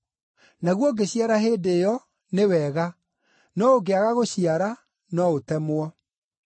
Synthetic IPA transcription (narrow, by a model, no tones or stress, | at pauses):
naɣwɔɡeɕiaɾaɦeːdejɔ | newɛɣa | nɔoɡeaɣaɣoɕiaɾa | nɔotɛmwa